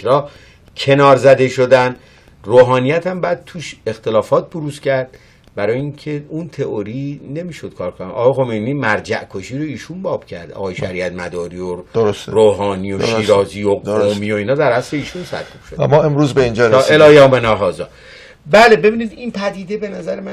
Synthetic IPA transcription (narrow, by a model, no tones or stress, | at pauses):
ɾɒː | cʰe̞nɒːɾzæd̪e̞ʃod̪æn | roːɦɒːnijæt̪ʰæmbæːd̪̚t̪ʰuːʃe̞xt̪e̞lɒːfɒːt̪̚boɾuscæɾd̪̥ | bæɾɒːjeiŋcʰe̞unt̪ʰe̞ʔoɾine̞miːʃod̪̥̚kʰɒːɾkʰonɒ̰ːɣɒjexo̞mejniːmæɾd͡ʒæ̰ʔkʰoʃiːɾoiːʃunbɒːb̥cʰæɾd̪ɒ̰ːɣɒːjeʃæɾiːæt̪mæd̪ɒːɾiːodɾosɾoːɦɒːnijoʃiːɾɒːziːoomio̞iːnhɒːd̪æɾæsle̞iːʃunsæ̰ɾkʰub̥ʃod̪mɔːemɾuːzbeind͡ʒɒːeelɒːjɒːmenɒɦɒːzɒː | bæːle̞be̞biːnid̪inpʰæd̪iːd̪e̞be̞næzæɾemæn